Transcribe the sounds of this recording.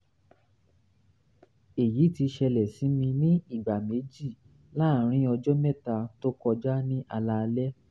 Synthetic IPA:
e˨ji˨˦ti˧ʃɛ˧lɛ˨si˨˦mĩ˧nĩ˦i˦˨ɡ͡ba˨me˨˦d͡ʒi˦˨ | la˦˨˦ɾ̃ĩ˦ɔ˧d͡ʒɔ˦mɛ˦˨ta˧to˦kɔ˧d͡ʒa˦nĩ˦ʔa˧la˧lɛ˦

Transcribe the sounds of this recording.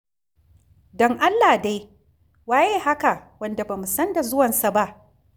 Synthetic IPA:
dɔ˦ŋʔa˦lːaː˨da˦j | waː˦jeː˦ɦa˦ka˨wɐ˨nda˨ba˨mu˨sɐ˦nda˨zʊ˦wɐ˨nsa˨ba˦ʔ

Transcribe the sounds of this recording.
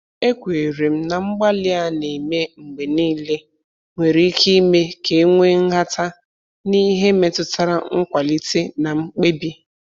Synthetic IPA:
e˦kʷe˨e˨ɾe˨m̩˦na˨ŋ͡m̩˦ɡ͡ba˦lɪ˦a˦ne˨me˦ŋ͡m̩˨ɡ͡be˨niː˦le˦ | ŋʷe˨ɾi˦ki˦me˦ke˨˦ŋʷe˦ŋ̩˦ɦa˦ta˦ | ni˦ɦe˦me˨tʊ˦ta˦ɾa˦ŋ̩˦kʷa˨li˦te˦na˨ŋ͡m̩˦k͡pe˦bi˦

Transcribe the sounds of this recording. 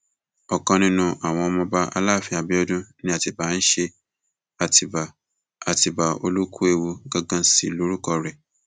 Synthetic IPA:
ɔ˨kɔ̃˧nĩ˧nũ˧ʔa˨w̃ɔ̃˧ɔ˧mɔ̃˧ba˦a̰˧˦la˦˨fi˧a˨bi˦ɔ˧dũ˦nĩ˦a˦˨ti˨ba˨˦n̩˦ʃe˧ | a˨ti˨b | a˨ti˨ba˨o˧lu˦kʰu˦e˨wu˧ɡã˧ɡã˧si˨lo˦ɾu˦kɔ˧ɾɛ˨

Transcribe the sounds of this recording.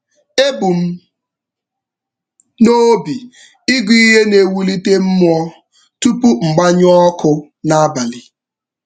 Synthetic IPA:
e˦bu˨m̩˦ | no˦bi˨ | i˦ɡʷi˦ɦe˦ne˨wu˨li˦te˦m̩˦m˦ɔ˦ | tu˦pu˦ŋ͡m̩˨ɡ͡ba˦ɲ˦ɔ˦kʰʊ˦ | na˦ba˨lɪ˨

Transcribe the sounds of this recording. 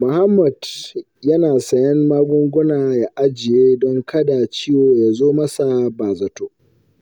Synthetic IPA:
mʊ˨ha˦mːɐ˨d̥ | jɐ˦naː˨sɐ˨jɛ˦mmaː˦ɡʷʊ˦ŋɡʷʊ˦naː˨ja˨ʔa˦d͡ʒɪ˨jeː˦dɔ˦ŋkʰɐ˦da˨t͡ʃiː˦woː˨ja˨zoː˦mɐ˦sa˨baː˨zɐ˨toː˦

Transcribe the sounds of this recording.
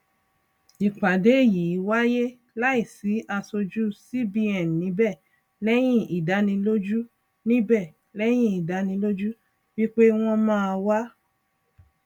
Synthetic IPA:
i˨k͡pa˨de˨˦e˦˨ji˨˦wa˦je˦ | la˦i˦˨si˨˦ʔa˧so˧d͡ʒu˦si˦bi˧ɛ˨n˨nĩ˨˦bɛ˦˨ | lɛ˦j̃ĩ˦˨i˨da˨˦nĩ˧lo˦d͡ʒu˦ | nĩ˦bɛ˦˨ | lɛ˦j̃ĩ˦˨i˨da˨˦nĩ˧˦lo˦d͡ʒu˦ | wi˦k͡pe˦w̃ɔ̃˦mãː˦a˧wa˦

